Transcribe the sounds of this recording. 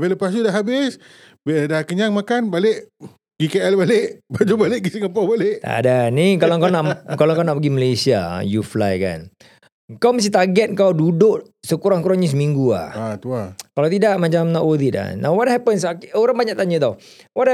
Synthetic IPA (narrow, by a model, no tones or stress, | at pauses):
veləpas̬udaʔɦabɪs | bedahkəɲaŋmakanbaleʔ | ɡikeɛlbaleʔbad͡ʒubalɪʔ̚ɡisiŋapabaleʔa̰danikalaŋkawnaʔkalaŋkawnaʔpəɡiməlesia̰juflajka̰n | əŋkawməst̪it̪aɡɛt̪̚ŋkawdudʊʔ | səkuɾaŋkuɾaŋɲəs̬əmiŋɡua̰hat̪uakalawt̪idaʔmat͡ʃamnɔʔwod̪it̪a̰nʔawwɔt̚hɛpənsakoɾaŋbaɲaʔ̚t̪aɲə̃t̪aw | wɔt̚